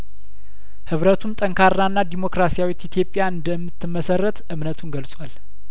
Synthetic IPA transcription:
hɨβɾət̪ʰumt̪ʼəŋkʰaɾnanːad̪imo̞kɾasijawit̪ːit̪ʰjo̞pʼːjaɨnd̪əmːɨt̪ːɨmːəsərːət̪ɨmnət̪ʰunɡəlsʼwal

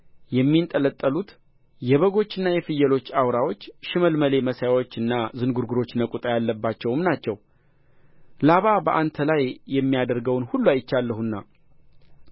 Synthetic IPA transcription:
jɛmːint̪ʼələt̪ʼːəlut̪ | jɛβəɡo̞t͡ʃːɨnːajɛfɨjːɛlo̞t͡ʃːawɾawo̞t͡ʃːʃɪməlməle̞məsjawo̞t͡ʃːɨnːazɨnɡuɾɡuɾo̞t͡ʃːnəkʼut̪ʼajalːəbːat͡ʃːɛwmnat͡ʃːɛw | laβabəʔant̪ʰəlajːɛmːijad̪əɾɡəwnhulːuajɪt͡ʃːalːəhunːa

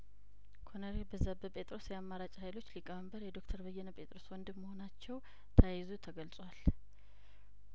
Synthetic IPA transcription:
kʰonəɾebəzabəpʼe̞t̪ʼɾo̞sjɛamːaɾat͡ʃʼhajlo̞t͡ʃːlikʼːəməmbəɾjɛd̪okt̪ʰəɾbəjːɛnəpʼe̞t̪ʼɾo̞swɔnd̪ɨmːəho̞nat͡ʃːɛw | t̪ʰəjzut̪ʰəɡəlsʼwal

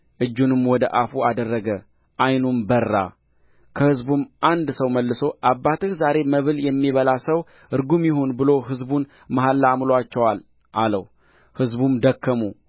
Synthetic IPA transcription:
ʔɨd͡ʒːunɨmwɔd̪əʔafuad̪ərːəɡə | ʔajnumbərːa̰ | kʰəhɨzbumʔand̪səwməlːɨso̞ʔabːat̪ʰɨhzaɾe̞məβɨljɛmːiβəlasəw | ɨɾɡumjɪɦonbɨlo̞ɦɨzbun | maɦalːamloat͡ʃːɛwal | ʔaləw | hɨzbumd̪əkʰːəmu

